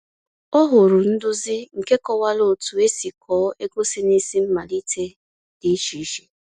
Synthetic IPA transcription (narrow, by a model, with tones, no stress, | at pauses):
ɔ˦ɦʊ˨ɾʊ˨n̩˦dʊ˦zɪ˦ŋ̩˨ke˦kɔ˦wa˦lo˦˨tu˨e˦si˨kʰɔː˨˦e˦ɡo˦si˦ni˦si˦m̩˦ma˨li˦tʰe˦ | di˦t͡ʃi˨˦ʃi˦